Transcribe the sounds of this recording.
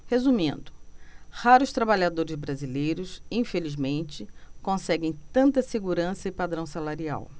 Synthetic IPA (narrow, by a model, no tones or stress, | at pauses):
hezumĩnd̪ʊhaɾʊʃt̪ɾabaʎad̪oɾɪzbɾazilejɾʊsĩfelizmẽnt͡ʃɪkõsɛɡẽj̃t̪ɐ̃nt̪ɐseɡuɾɐ̃sɐipad̪ɾɐ̃w̃salaɾia̰w